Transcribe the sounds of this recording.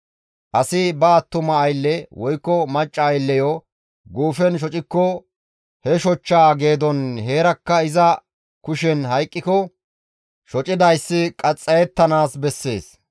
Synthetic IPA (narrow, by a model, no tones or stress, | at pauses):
ʔɐsɪbɐːt̪ːʊmɐːjlːɛwɔjkːɔmɐt͡ʃʼːɐːjlːɛjɔ | ɡuːfɛnʃ̬ɔt͡ʃʼɪkːɔ | hɛʃɔt͡ʃːaːɡe̞ːd̪ɔnɦe̞ːɾɐkːɐɪzɐ | kʊʃɛnɦɐjkʼːɪkɔ | ʃɔt͡ʃʼɪd̪ɐjsːɪkʼɐt͡sʼːɐjɛt̪ːɐnaːsbɛsːe̞̰ːs